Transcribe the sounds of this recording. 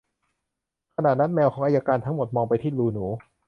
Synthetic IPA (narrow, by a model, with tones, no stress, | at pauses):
kʰa˧naː˨˩t̪̚na˦˥nmɛː˧wkʰɔː˩˦ŋʔaː˧jaː˧kaː˧nt̪ʰa˦˥ŋmo˨˩t̪̚mɔː˧ŋpa˧jt̪ʰiː˥˩luː˧nuː˩˦